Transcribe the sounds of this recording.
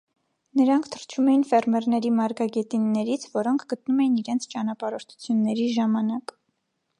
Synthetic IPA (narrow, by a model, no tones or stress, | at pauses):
nəɾɑŋkʰt̪ʰəɾt͡ʃʰumɛjinfɛrmɛɾnɛɾimɑɾɡɑɡɛt̪inːɛɾit͡sʰvɔɾɔŋkʰɡ̥ət̪numɛjiniɾɛnt͡sʰt͡ʃɑnɑpɑɾɔɾt̪ʰu̥t͡sʰjunːɛɾiʒɑmɑnɑk